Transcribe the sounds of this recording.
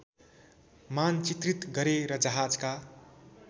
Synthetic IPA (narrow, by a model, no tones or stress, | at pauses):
mant͡ʃit̪rit̪ɡʌɾeɾʌd͡zʌɦad͡zka